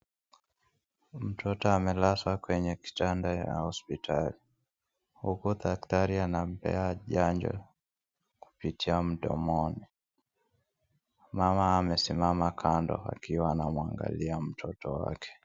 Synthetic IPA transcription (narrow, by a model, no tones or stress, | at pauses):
m̩tʰɔtɔamɛlaswakwɛɲɛki̥tandaja̰hɔspitʰali | hukuðaktaɾianam̩pɛ̰aʄaɲd͡ʒɔ̰ | ku̥pitʰiam̩ɗɔ̰mɔni | mamaːmɛsimamakʰandɔ̰a̰kiwaːnamwa̰ŋɡa̰liam̩tʰɔtɔwa̰kɛ̥